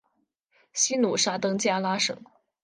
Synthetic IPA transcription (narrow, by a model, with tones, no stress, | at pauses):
ɕi˥nu˨˩ʂa˥t̪ɤ˥ŋt͡ɕja˥˩la˥ʂɤ̰˨˩˦ŋ